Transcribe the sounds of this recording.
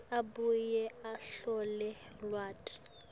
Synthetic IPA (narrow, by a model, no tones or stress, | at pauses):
abujɛaɬɔlɛ | lwaːtʰʼ